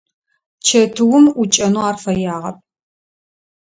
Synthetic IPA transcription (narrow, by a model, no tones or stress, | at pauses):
t͡ʃʰɐtʰɨwʊmʊt͡ʃʼɐnuaːrfɐjaːʁɐ̰p̚